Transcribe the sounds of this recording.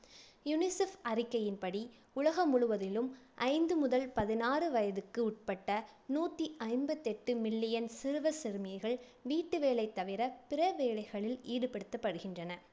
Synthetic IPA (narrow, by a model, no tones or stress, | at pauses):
jʊnɪsɐfɐrɪkːɐjɪnpɐɽi | ʊɭɐɣɐmʊɻʊʋɐðɪlɯmʔɐɪnd̪ɯmʊðɐlpɐðɪnaːrɯʋɐjɐðɯkːɯʊʈ̚pɐʈːɐnuːt̪ːiʔɐɪnbɐt̪ːɛʈːɯmɪlːɪjɐnsɪɾʋɐsɪɾɯmɪjɐɪɣɐɭ | ʋiːʈːɯʋeːɭɐɪt̪ːɐʋɪɾɐpɪrɐʋeːɭɐɪɣɐɭɪliːɽɯpɛɽɯt̪ːɐpːɐɽɯɣɪndrɐnɐ